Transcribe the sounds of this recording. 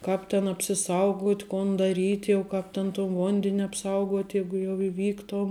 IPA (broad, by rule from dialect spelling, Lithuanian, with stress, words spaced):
ˈkɑːp tʲɛn ɐpʲsʲɪˈsɐʊɡuɔtʲ ˈkoːn dɐˈrʲiːtʲ jɛʊ ˈkɑːp tʲɛn toːn ˈʋoːnʲdʲɛnʲ ɐpˈsɐʊɡuɔtʲ ˈjɛɪɡʊ jɛʊ ɪˈʋʲiːktuɔm